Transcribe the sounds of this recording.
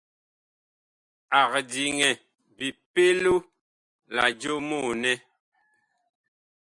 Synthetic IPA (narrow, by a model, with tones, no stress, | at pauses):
a˨kdi˨ŋɛ˨ | bi˨pe˦lu˦ | la̰˨d͡ʒo˦mu˦˨nɛ˦